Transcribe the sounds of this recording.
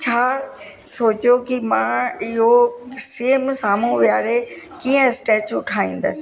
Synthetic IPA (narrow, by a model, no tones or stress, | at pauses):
t͡ɕʰaː | soːt͡ɕjokimãːɪɦoseːmsaːm̤ũʋijaːɾe | kiːə̃sʈeːt͡ɕʊʈʰaːĩːn̆d̪ə̰sɪ̆